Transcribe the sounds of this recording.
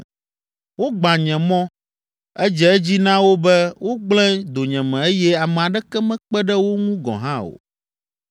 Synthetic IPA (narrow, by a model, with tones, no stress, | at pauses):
wo˦ɡ͡bã˨ɲɛ̃˨mɔ̃˦ | ɛ˦d͡ʒɛ˨ɛ˦d͡ʑi˦nã˦wo˦bɛ˦wʔo˦ɡ͡blɛ̃˦d̪o˨ɲɛ̃˨mɛ̃˨e˦jɛ˦a˨mɛ˨a˨ɖɛ˦kɛ˦mɛ̃˦k͡pɛ˦ɖɛ˦wo˦ŋũ˦ɡɔ̰̃˨ɦã˦o̰˨